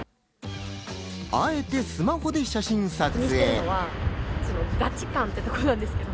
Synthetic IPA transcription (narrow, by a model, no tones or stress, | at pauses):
ae̞t̪e̞sɨmaho̞d̪e̞ɕaɕĩɰ̃sat͡siɨeːoβasono̞ɡat͡ɕi̥kãnt̪eit̪okoɾonãnd̪esɨ̥ke̞d̪o